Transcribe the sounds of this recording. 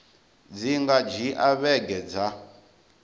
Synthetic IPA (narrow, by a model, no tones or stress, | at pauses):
d͡ziŋɡad͡ʒiʔaβɛɡɛd͡za